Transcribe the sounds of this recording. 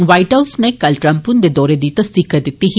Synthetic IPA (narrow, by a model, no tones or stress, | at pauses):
ʋɐjʈɐwsnekːɐlʈɾɐmpund̪ed̪oːɾed̪it̪ɐst̪ikɐd̪it̪ːiɦi